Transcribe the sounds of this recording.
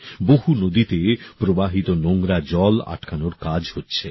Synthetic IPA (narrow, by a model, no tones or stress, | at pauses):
boɦunod̪it̪epɾobaɦit̪onoŋɾad͡ʑɔla̰ʈkʰanoɾkad͡ʑhotːɕʰe